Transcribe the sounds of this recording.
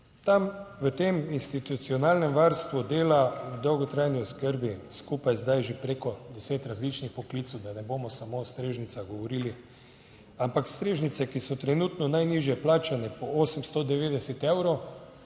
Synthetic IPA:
t̪amʋət̪eːminst̪it̪ut̪siɔnaːlnɛmʋaɾst̪ʋud̪eːlad̪ɔwɡɔt̪ɾajniɔskəɾbiskupajzd̪ajʒepɾeːkɔd̪ɛseːt̪ɾazlit͡ʃnixpɔklit̪swd̪anɛboːmɔsamost̪ɾeːʒnit̪saɣɡɔʋɔɾiːli | ampakst̪ɾeːʒnit̪sɛkisɔt̪ɾɛnut̪nɔnajniːʒjɛplaːt͡ʃanɛpɔoːsəmst̪ɔd̪ɛʋeːd̪ɛsɛt̪ewɾow

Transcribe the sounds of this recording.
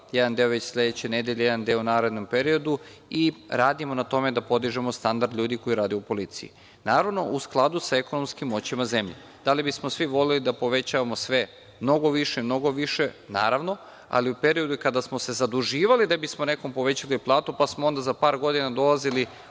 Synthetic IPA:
jed̪and̪eoʋet͡ɕslʲe̞d̪et͡ɕene̞d̪eʎejed̪and̪eounaːɾe̞d̪no̞mpe̞ɾio̞d̪u | iɾaːd̪imo̞nat̪o̞me̞d̪apo̞d̪iʒemo̞st̪and̪aɾd̪ʎʲuːd̪iko̞jiɾaːd̪eupo̞lit̪sḭjḭ | naːɾaʋno̞ʔusklˠad̪usaeko̞no̞mskimːo̞t͡ɕimaze̞mʎḛ | d̪̥alibismosʋiʋo̞lelid̪apo̞ʋe̞t͡ɕaʋamo̞sʋe̞ | mno̞ɡo̞ʋiʃeimno̞ɡo̞ʋiʃe̞naːɾaʋno̞ | a̰liupe̞ɾio̞d̪ukad̪asmo̞se̞zad̪uʒiːʋalid̪abismo̞ne̞ko̞mpo̞ʋe̞t͡ɕaliplˠaːt̪upasmoond̪azapaːɾɡo̞d̪inad̪o̞lˠazili

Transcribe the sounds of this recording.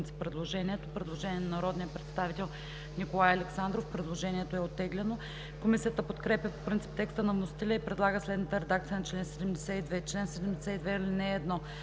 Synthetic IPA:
nt̪si̥pːɾɛd̪lˠoʒɛniɛt̪opɾɛd̪lˠoʒɛnʲiɛnɐnɐɾɔd̪nijəpɾɛt̪st̪avit̪ɛlˠ | nikolˠajɐlɛksand̪ɾofpɾɛd̪lˠoʒɛnʲiɛt̪oɛot̪ːɛɡlɛno | komisijət̪əpot̪kɾɛpjʲəpo̥pɾint̪si̥p̚t̪ɛkst̪ənɐvnosi̥t̪ɛlʲəipɾɛd̪lˠaɡəslɛd̪nət̪əɾɛd̪akt̪sijənɐt͡ʃlɛnsɛd̪ɛmd̪ɛsɛid̪vɛt͡ʃlɛnsɛd̪ɛmd̪ɛsɛid̪vɛilinɛːd̪nɔ

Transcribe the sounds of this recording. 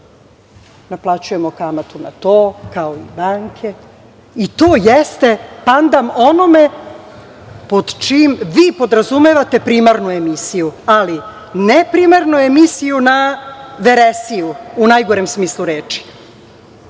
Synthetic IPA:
naplˠat͡ɕujemo̞kamat̪una̰t̪oːkaoḭbaːŋkʰe̞ | it̪o̞ːjest̪e̞pand̪amo̞no̞me̞ | po̞d̪t͡ʃimʋiːpo̞d̪ɾazumeʋat̪e̞pɾiːmaɾnue̞misijuali | nepɾimaɾnue̞misijunaʋeɾesijuunajɡo̞ɾemsmiːslˠuɾeːt͡ʃi̥

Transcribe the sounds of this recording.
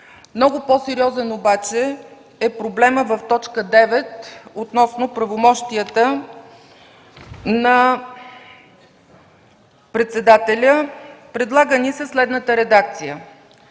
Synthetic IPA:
mnɔɡʊpɔsɛɾiɔzɛnobat͡ʃɛ | ɛpɾoblɛməvəft̪ɔt͡ʃkəd̪ɛvɛt̪ot̪nɔsnopɾɐvomɔʃt̪iət̪ə | nɐ | pɾɛt̪sɛd̪at̪ɛlʲəpɾɛd̪lˠaɡənisɛslɛd̪nət̪əɾɛd̪ak̚t̪sijə

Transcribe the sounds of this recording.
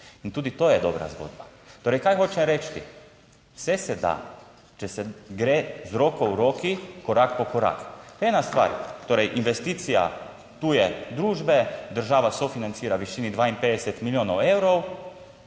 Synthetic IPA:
int̪uːd̪it̪oːjɛd̪ɔbɾa̰zɡo̰d̪ba | t̪oːɾɛjkajxoːt͡ʃɛmɾɛt͡ʃt̪ḭ | sɛsɛd̪a̰ | t͡ʃɛsɛɡɾezɾoːkɔwɾoːkikɔɾakpɔkɔɾa̰kt̪ɛːnast̪ʋa̰ɾt̪oːɾɛjʔinʋɛst̪iːt̪sija̰ | t̪ujɛd̪ɾuːʒbɛd̪əɾʒaːʋasofinant̪siːɾaʋiʃiːnid̪ʋaːinpeːd̪ɛsɛt̪miljoːnɔwewɾɔw

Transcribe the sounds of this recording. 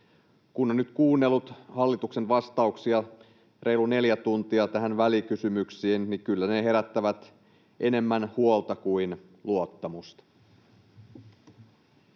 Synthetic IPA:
kunonnyt̪kuːnːe̞lːut̪hɑlːit̪ukse̞nʋɑst̪ɑuksiɑ | rʔe̞jlːune̞ljæt̪unt̪iɑt̪æɦænʋælikysymyksiːnnikylːæne̞ɦe̞ɾæt̪ːæʋæt̪ | ʔe̞ne̞mːænhuolt̪ɑkuin | luot̪ːɑmust̪ɑ̥

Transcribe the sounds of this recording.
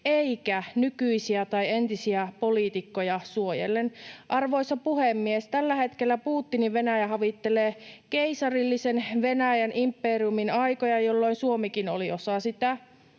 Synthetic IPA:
eikænykyisiæt̪ɑient̪isiæpoliːt̪ikːojɑsuojḛlːenʔɑrʋo̞isɑpuhemːiest̪ælːæhe̞t̪kelːæpuːt̪ːiniʋʋenæjæhɑʋit̪ːeleːkeisɑrilːisenʋenæjænʔimpːeriuminɑjkojɑjolːoinsuomikinoliosɑsit̪æ

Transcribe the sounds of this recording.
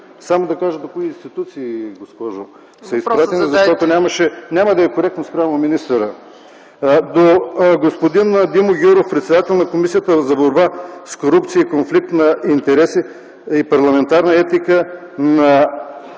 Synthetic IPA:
samod̪ɐkaʒəd̪okoiːnst̪it̪ut̪siːɡospɔʒo | sɐispɾat̪ɛnizɐʃt̪ɔt̪onʲamɐʃɛnʲaməd̪ɐɛkoɾɛk̚t̪nospɾʲavnominist̪əɾə | d̪oɡospod̪ind̪imoɡʲuɾofpɾɛt̪sɛd̪at̪ɛlˠnɐkomisijət̪əzɐboɾbaskoɾupt̪siəikonflik̚t̪nɐint̪ɛɾɛsi | ipɐɾlˠɐmɛnt̪aɾnɐɛt̪ikə | nɐ

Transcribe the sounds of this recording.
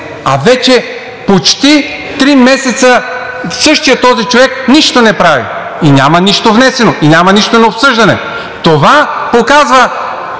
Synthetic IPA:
a̰vɛt͡ʃɛ | pot͡ʃt̪i | t̪ɾimɛsɛt̪sə | sɤʃt̪ijət̪ːɔzit͡ʃovɛkniʃt̪onɛpɾavḭ | inʲamɐniʃt̪ovnɛsɛnoinʲamɐniʃt̪onɐopsɤʒd̪ɐnɛ̰ | t̪ovapokazvɐ

